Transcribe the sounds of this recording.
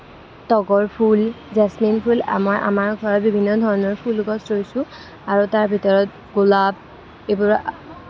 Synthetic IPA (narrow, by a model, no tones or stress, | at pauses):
tɔɡɔɹpʰul | zasminpʰula̰mɔjʔa̰maɹɡʱɔɹɔt̚bibʱinːɔdʱɔɹɔnɔɹpʰulɡɔstɹojsʊ̃ | aɹotaɹbʱitɔɹɔt̚ | ɡulab̚ | ebuɹ